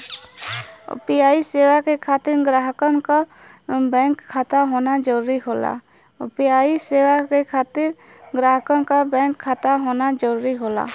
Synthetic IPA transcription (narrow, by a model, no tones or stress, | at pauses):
piaːiseːwakekʰaːt̪ɪɾɡɾaːɦkənka | bɛ̃ŋkʰːaːt̪aɦoːnad͡ʒəɾuɾiɦoːla̰ | opijaːiseːwakekʰaːt̪ɪɾ | ɡɾaːɦkənkabɛ̃ːkʰːaːt̪aɦoːnad͡ʒəɾuːɾiɦola̰